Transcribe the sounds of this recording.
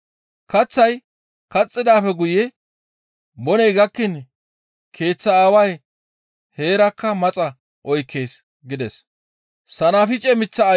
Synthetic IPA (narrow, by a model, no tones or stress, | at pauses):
kɐt͡sːɐj | kɐt͡sʼːɪd̪aːfɛɡʊjɛ | bɔnɛjɡɐkːɪn | kʰe̞ːt͡sːɐaːwɐj | he̞ːɾɐkːɐmɐt͡sʼɐ | ʔɔjkʰːe̞ːs | ɡɪd̪ɛs | sɐnafɪt͡ʃʼɛmɪt͡sːɐː